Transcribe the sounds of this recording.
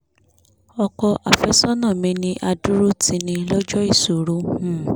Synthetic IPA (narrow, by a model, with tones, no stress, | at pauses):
ɔ˧kɔ˧ʔa˨fɛ˨˦sɔ˦nãː˦˨mĩ˧nĩ˧ʔa˧du˦ɾu˦tĩ˧nĩ˧lɔ˦d͡ʒɔ˦i˦˨su˨ɾo˦hũ˦˨